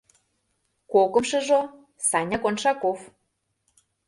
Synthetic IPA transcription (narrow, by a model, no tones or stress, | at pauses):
kokɤ̆mʃɤ̆ʒo | sɑnʲɑkonʃɑkof